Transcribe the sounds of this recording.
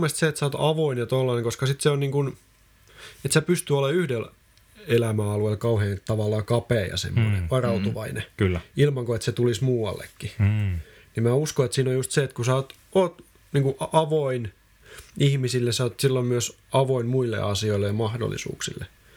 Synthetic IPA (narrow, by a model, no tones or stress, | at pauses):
mest̪seet̪sæoːt̪ɑʋoinjɑt̪olːɑneŋkoskɑsit̪seonniːŋkun | et̪sæpyst̪yoleyhdel | elæmæɑlueilkɑuheːnt̪ɑʋɑlːɑːkɑpeːjɑ̰sḛmːonḛʋɑrɑut̪uʋɑinekylːilmɑŋkoet̪set̪ulismuːwɑ̰lːḛkːi | nimmæːuskoet̪siːnojust̪seet̪kusɑoːt̪ | oːt̪ | niːŋkuʔɑʋoin | ihmisilːesoːt̪silːommyøs | ɑʋoinmuilːḛɑsioilːejɑmɑhdo̰lːḭsṵːksḭlːḛ